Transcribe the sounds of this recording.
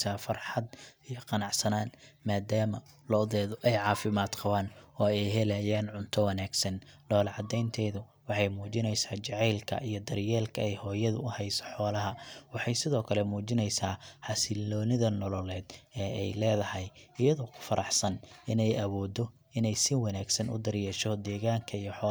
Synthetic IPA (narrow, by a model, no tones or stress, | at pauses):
saːfɐrħɑd̪ijɔqɑnɑʕsɐnaːnmaːd̪aːmɐ | lɔðɛːðʊʔɛjʕɑːfɪmaːd̪qɑβaːnɔːɛjɦɛlajaːnʕʊnt̪ʰɔwɐnaːɡsɐnlɔːlʕɑd̪ɛjnt̪ʰɛjðʊ | wɑħɑjmuːt͡ʃɪnɛjsaːt͡ʃɛʕɛjlkʰɐ̰ʔijɔd̪ɐrjɛːlkʰɐɛjhɔːjɐðʊʊhɛjsɔ̥ħɔːlɐɦɐwɑħɑjsɪðɔːkʰɐlɛmuːt͡ʃɪnɛjsaːħɑsɪlɔːnɪðɐnɔlɔlɛːd̪ɛːɛjlɛːðɐhɛjɪjɐðɔkʰʊ̥fɐɾʔɑħsɐnɪnɛjɐβɔːd̪ɔ | ɪnɛjsɪwɑnaːɡsɐnʊ̰d̪ɐɾjɛːʃɔd̪ɛːɣaːŋkʰɐijɔħɔː